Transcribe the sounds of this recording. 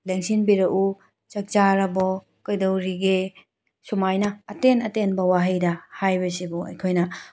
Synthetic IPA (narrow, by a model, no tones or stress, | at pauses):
lɐŋsinbiɾɐʔu | t͡ʃɐk̚t͡ʃaɾɐbɔ | kɐjdowɾiɡe | sumajnɐːtenɐtenbɐwaɦɐjdɐhajbɐsibuɐ̰jkʰojnɐ